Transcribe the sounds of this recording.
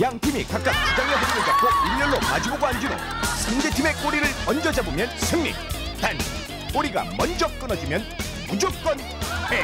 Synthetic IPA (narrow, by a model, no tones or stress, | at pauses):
jaŋtʰimikak̚k͈ak̚t͡ɕuɡaŋeɦʌɾiɾoɡak͈oimɲʌɭːoma̰d͡ʑuboɡoɦand͡ʑino̰ | sʰʌndetʰime̞k͈oɾiɾɯɭʌnd͡ʑʌd͡ʑabomjʌnsʰɯŋɲḭ | tan | k͈oɾiɡa̰mʌnd͡ʑʌk͈ɯnʌd͡ʑimjʌn | mud͡ʑok̚k͈ʌn | he